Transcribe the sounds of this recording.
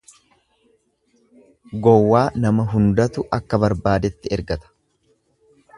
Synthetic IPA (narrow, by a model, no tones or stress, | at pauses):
ɡɔwːaːnɐmɐɦʊnd̪ɐt̪ʊʔɐkːɐbɐɾbaːd̪ɛt̪ːɪɛɾɡɐt̪ɐ̥